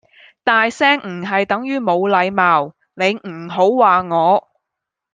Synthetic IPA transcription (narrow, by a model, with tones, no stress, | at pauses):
t̪aː˨jsɛː˥ŋm̩˨˩ɦɐ˨jt̪ɐ˨˥ŋjyː˥mo˨˧wlɐ˨˧jmaː˨w | ne˨˧jm̩˨˩ɦo˨˥wwaː˨ŋɔː˨˧